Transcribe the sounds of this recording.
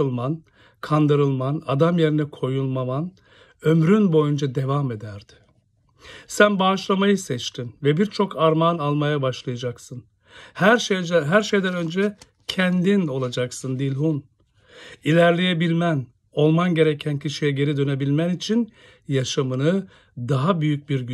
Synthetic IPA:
ɯlˠman | kʰand̪ɯɾɯlˠmanad̪amje̞ɾinɛkʰo̞julˠmaman | ø̞mɾynbo̞jund͡ʒad̪e̞vame̞d̪æɾd̪̥ɪ̥ | sænbaːʃlˠamajɯsɛt͡ʃt̪ʰinvɛbiɾt͡ʃʰo̞kʰaɾmanalˠmajabaʃlˠajad͡ʒaksɯn | hɾɦæɾʃe̞jd̪ænø̞nd͡ʒɛ | cʰɛnd̪ino̞lˠad͡ʒaksɯnd̪iilʲɦun | ilʲæɾlʲejebilʲmæn | o̞lˠmanɟe̞ɾecʰæncʰiʃijɛɟe̞ɾid̪ø̞ne̞bilʲmænit͡ʃʰin | jaʃamɯnɯ | d̪aɦabyjyc̚biɾɟy

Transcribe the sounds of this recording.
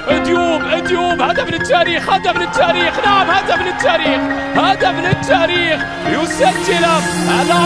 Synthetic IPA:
ʔɪd̪juːbʔɪd̪juːbhaːd̪amɪnɪt̪ːaːɾiːxhaːd̪amɪnɪt̪ʰːaːɾiːxnaʕamhaːd̪amɪnɪt̪ʰːaːɾiːx | haːd̪amɪnɪt̪ʰːaːɾiːx | jʊsad͡ʒːɪlahaːd̪a

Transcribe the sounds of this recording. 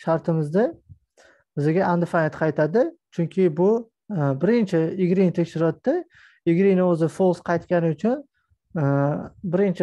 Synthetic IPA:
ʃaɾt̪ʰɪmɪzd̪ɪ | bɪzɪɡʲaʔand̪ɪfanet̪qʰɑjt̪ʰad̪ɪt͡ʃʰʊŋkʲʰɪbʊ | bɪɾɪnt͡ʃʰɪɪɡʲɾint̪ʰekʲʃɪɾɒt̪ːɪ | ɪɡʲɾinɪɵzɪfolˠsqʰɑjt̪kʲanɪʊt͡ʃʰʊn | bɪɾɪnt͡ʃʰɪ

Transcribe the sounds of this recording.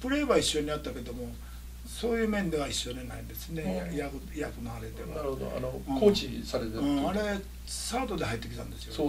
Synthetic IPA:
pɯ̟ɾe̞iβaiɕːo̞ɲ̟iat̪ːake̞d̪o̞mo̞ | so̞ːjɯ̟ːmẽ̞nd̪e̞βaiɕːo̞d̪enaĩnd̪e̞sɨne̞jakjakɯ̟naaɾed̪e̞βaaɾɯhod̪o̰a̰noɯ̃ːkoːt͡ɕisaɾet̪eɯ̃ːaɾe̞ | saːt̪o̞d̪e̞hait̪ːekʲi̥t̪ã̰nd̪e̞sɨijoo

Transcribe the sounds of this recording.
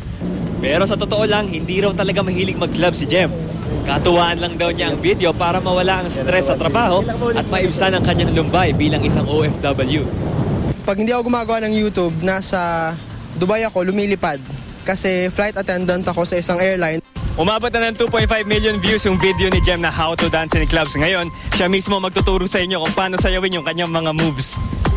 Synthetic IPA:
pɛːɾo̞sɐt̪ot̪oʔo̞lɐŋhɪnd̪iːɾɐwt̪ɐlɐɡamɐɦiːlɪɡ̚mɐɡ̚klabsɪd͡ʒɛm | kɐt̪ʊwaːʔɐnlɐŋd̪ɐwɲaʔɐŋvid̪ɛo̞paːɾɐmɐwɐlaʔɐŋst̪ɾɛsːɐt̪ɾɐbaːho̞ʔɐt̪̚mɐʔɪbsanɐŋkɐɲaŋlʊmbajbiːlɐŋʔɪsaŋʔoʔɛfd̪ɐbɐlju | pɐɡ̚hɪnd̪iɐkoɡʊmaːɡɐwanɐŋjuːt̪ub̚naːsɐ | d̪ʊbajɐko̞lʊmiːlɪpad̪̚ | kɐsɛflajt̪ɐt̪ɛnd̪ɐnt̪ɐko̞sɐɪsaŋʔɛɹlajnʔʊmaːbot̪nɐnɐŋt̪uːpojt̪̚fajvmiljonvjusjʊŋvid̪ɛonɪd͡ʒɛmnɐɦawt̪od̪ansɪnklabsŋɐjo̞nʃamismo̞mɐɡ̚t̪ʊt̪uːɾʊsɐʔɪɲːo̞kʊŋpɐaːnosɐjɐwɪnjʊŋkɐɲːaŋmɐŋamuvs

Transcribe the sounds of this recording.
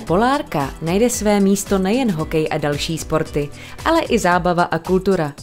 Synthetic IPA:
po̞laːɾkanajdɛsvɛːmiːst̪o̞nɛjɛnɦo̞kɛjʔadalʃiːspo̞ɾt̪ɪ | ʔalɛʔɪzaːbavaʔakult̪uɾa

